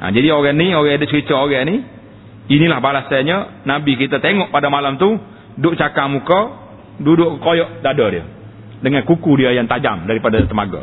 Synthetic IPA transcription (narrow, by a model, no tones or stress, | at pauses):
ʔa̰d͡ʒadioɣɛnioɣɛadʊʔt͡ʃəkit͡ʃəoɣɛni | inilahbalasaɲənabikit̪at̪eŋɔʔpadamalamt̪u | dʊʔt͡ʃakamukɔ | dudʊʔkəkojɔʔdadɔdiə̰ | dəŋankukudiəjaŋt̪ad͡ʒamdaɾipadat̪əmaɡa̰